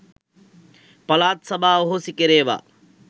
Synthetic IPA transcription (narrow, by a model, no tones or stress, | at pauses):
pɐlaːt̪sɐbʱaːoɦosikeɾeːʋa̰